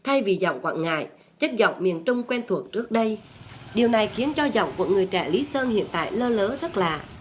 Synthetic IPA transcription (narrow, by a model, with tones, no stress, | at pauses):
t̪ʰa˧jvi˨˩zɔ̰˧˨wŋ͡mkwa̰ː˧˨nŋa̰ː˧˨j | t͡ɕə˦˥t̚zɔ̰˧˨wŋ͡mmi˨˩ənt͡ɕʊ˧ŋ͡mkwɛ˧nt̪ʰu˨˩ək̚t͡ɕɨ˦˥ək̚ɗə˧j | ɗi˨˩əwna˨˩jxi˨˦ənt͡ɕɔ˧zɔ̰˧˨wŋ͡mkṵ˨˩əkŋɨ˨˩əjt͡ɕɛ̰˧˩li˨˦səː˧nhḭ˧˨ənt̪a̰ː˧˨jləː˧ləː˨˦zə˦˥t̚laː˨˩